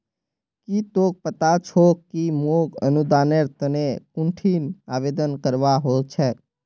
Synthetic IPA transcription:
kit̪ok̚pət̪at͡ʃʰokkimoɡə̰nud̪aːneɾt̪ənekũɳʈʰiːna̰ːʋeːd̪ənkəɾʋaɦot͡ʃʰɛː

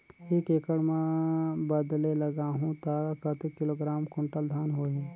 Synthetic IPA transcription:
ekeːkəɽmẽbəd̪leləɡaːɦũt̪akət̪ekɪloːɡɾaːmkʊ̃ɳʈəld̪ʱaːnɦoːɦi

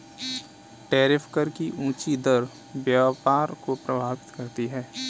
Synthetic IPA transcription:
ʈɛːɾɪfkəɾkiʔũːt͡ʃid̪əɾ | bjapaːɾkopɾɐbʱaːʋɪt̪kɐɾt̪iɦɛː

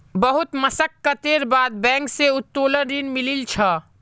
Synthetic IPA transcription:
bɐɦʊt̪mɐsəkːɐt̪eːɾbaːd̪̚bɛ̃ːŋkseʊt̪ːoːləɾinmɪlilt͡ʃʰa

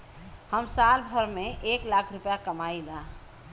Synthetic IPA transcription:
həmsalbʱəɾmẽʔeklakʰɾʊpjakəmaila

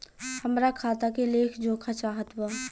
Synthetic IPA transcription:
həmɾakʰaːt̪akeleːkʰd͡ʒõːkʰat͡ʃaːɦət̪waː

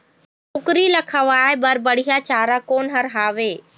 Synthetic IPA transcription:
ʊkɾilɐkʰəʋaːɪbɐɾbɐɽ̤ijat͡ɕaːɾakoːnɦɐɾɦaːʋeː

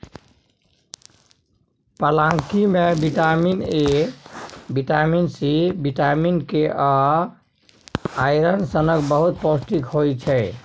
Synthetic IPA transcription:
pəlãŋkimebiʈamine | biʈaminsibiʈaminkeʔə | ajɾənsənəkbəɦut̪̚pɔsʈikhojt͡ʃʰɛ

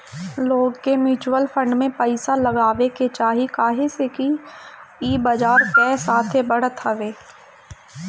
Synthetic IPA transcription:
loːɡkemɪːt͡ʃwəlfʰə̃ɳɖmẽpəɪsalɐɡaːʋeket͡ʃaːɦikaːɦeseki | iːbad͡ʒaːɾkɛːsaːt̪ʰebɐɽ̤ət̪ɦɐʋeː

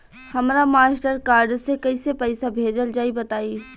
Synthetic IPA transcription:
hɐmɾamaːsʈəɾkaːɾɖsekɐisepɛɪsabʱeːd͡ʒəld͡ʒaːibɐt̪aːi

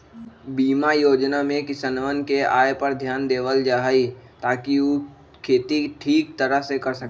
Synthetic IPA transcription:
biːmajoːd͡ʒnamẽkɪsənʋənkeaːjepɐɾd̪ʱjaːnd̪eːʋəld͡ʒaːɦit̪aːkiu | kʰeːt̪iʈʰiːk̚t̪əɾəɦsekɐɾsɐk

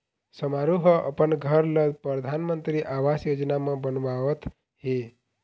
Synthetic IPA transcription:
səmaɾuɦəʔəpəɳɡʱəɾləd̪pɾəd̪ʱanmənt̪ɾiʔaʋasjod͡ʒnamãbənʋaʋət̪ʰ | ɦe

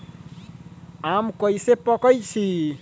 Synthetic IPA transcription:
amkəisepɔkəjt͡ʃʰi

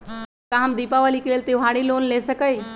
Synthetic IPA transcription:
kaɦəmd̪iːpaʋalikeleːlt̪iʋɦaɽilonlesəkəj

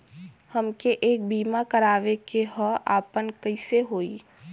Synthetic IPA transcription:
həmkeʔeːk̚biːmakəɾaːʋekeɦɔa̰ːpənkəɪseɦoːḭː

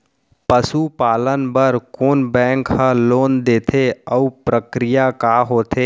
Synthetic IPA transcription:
pəsupaːlənbəɾkoːnbɛ̃ːŋkhə̃loːnd̪eːt̪ʰeəupɾəkɾɪjakaːɦoːt̪ʰeː

